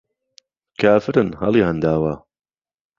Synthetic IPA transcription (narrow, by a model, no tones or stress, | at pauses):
kʰaːfɨɾɨnhɐ̰lˠiːhand̪aːwa